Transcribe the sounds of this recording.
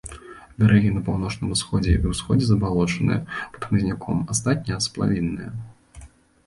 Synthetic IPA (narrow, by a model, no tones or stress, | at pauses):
bʲaɾʔɛɣʲinɐpawnɔt͡ʂnɨmusxɔd͡zʲɛ̰viwsxɔd͡zʲɛzɐbalˠɔt͡ʂɐnɨ̰jɛ̰pɐ̥t̪xmɨzʲnʲakʰɔmast̪at̪ʲnʲɐjɛsplˠa̰vʲinːɨjɐ̰